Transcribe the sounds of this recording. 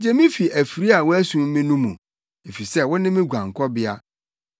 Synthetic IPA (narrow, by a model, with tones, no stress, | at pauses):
d͡ʑɛ˦mĩ˦fi˨ʔæ˨fi˨ɾi˦a˨wɔ˦æ˦sũ˦m˦mɪ̃˦nũ˦mṵ̃˨ | e˨fi˨sɛ˦wɔ̃˦nɪ̃˦mɪ̃˦ɡʷã˨ŋ˨kʰɔ˦bɪ˦a˦